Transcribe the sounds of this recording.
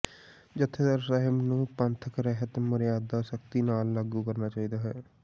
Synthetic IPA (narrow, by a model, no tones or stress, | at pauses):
d͡ʒɪt̪ʰːet̪əɾsəɦɪbnũːpənt̪ʰəkɾɛɦt̪mʊɾjaːd̪aːsək̚t̪iːnaːlːaːɡukəɾnaːt͡ʃaːiːd̪aːɦɛː